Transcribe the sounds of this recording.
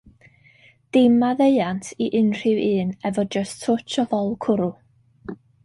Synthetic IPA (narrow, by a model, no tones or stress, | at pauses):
d̥ɪmaðeɨantʰiʔɪnr̥ɪwʔɨːnɛvɔd͡ʒəstʰʊt͡ʃʰɔðɔlˠkʰʊɾʊ